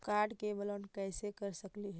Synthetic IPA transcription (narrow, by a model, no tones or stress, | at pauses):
kaɖkebələnkəjsekəɾsəkliɦɛ